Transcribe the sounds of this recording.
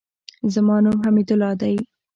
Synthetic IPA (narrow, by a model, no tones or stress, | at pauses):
zamɑnumɦamid̪ʊlɑd̪aj